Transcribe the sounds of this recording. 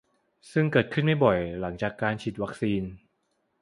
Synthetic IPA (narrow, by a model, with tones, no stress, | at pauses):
sɯ˥˩ŋkɤː˨˩t̪̚kʰɯ˥˩nma˥˩jbɔ˨˩jla˩˦ŋt͡ɕaː˨˩kːaː˧nt͡ɕʰi˨˩wa˦˥k̚siː˧n